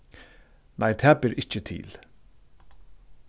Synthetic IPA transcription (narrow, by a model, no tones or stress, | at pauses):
nʔa̰jt̪ʰɛæːbɪɾʔɪt͡ʃət̪ʰḭːl